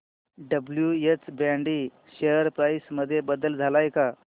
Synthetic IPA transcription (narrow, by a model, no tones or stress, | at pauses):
ɖəbljuet͡sbãɳɖiː | ɕeɦəɾpɾajsməd̪ʱːjebəd̪əld͡zʱalajka